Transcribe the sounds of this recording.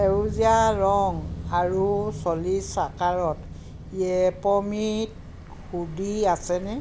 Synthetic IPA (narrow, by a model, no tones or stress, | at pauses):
ɛuziaɹɔŋaɹusɔlisakaɹɔt | iɛpɔmit̚ | xudiasɛnɛ